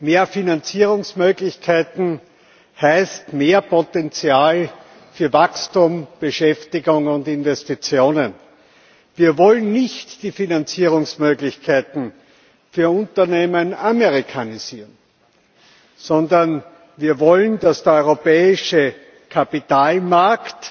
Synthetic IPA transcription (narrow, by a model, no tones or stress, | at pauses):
meːɐfinant͡siːʁʊŋsmøːɡlɪçkʰæɪtn̩ | hæɪstmeːɐpʰotɛnt͡sjaːl | fyːɐvakstumb̥əʃɛftɪɡʊŋʊndɪnvɛstit͡sjoːnən | viːɐvɔlənːɪçtd̥iːfinant͡siːʁʊŋsmøːɡlɪçkʰæɪtn̩ | fyːɐʊ̃ntɐneːmənaməʁɪkʰaniziːʁən | sɔndɐn | viːɐvɔlənd̥asd̥eɐɔʏʁopɛːɪʃə | kʰapɪtaːlmaɐkt